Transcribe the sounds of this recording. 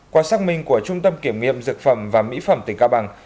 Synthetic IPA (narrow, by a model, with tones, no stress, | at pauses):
kwaː˨˦saː˧˥k̚mï˧˩ŋ̟ku˧˩ət͡ɕʊ˧ŋ͡mt̪ə˧mki˧˩əmŋḭ˧˨əmzɨ˨˩k̚fə˧˩mvaː˨˩mḭ˧˥fə˧˩mt̪ï˨˩ŋkaː˧˩ɓaː˨˧˩ŋ